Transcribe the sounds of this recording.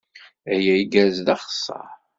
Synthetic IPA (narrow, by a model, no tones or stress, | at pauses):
æjæjɡæzðɑχsˤːɑ̰ɾ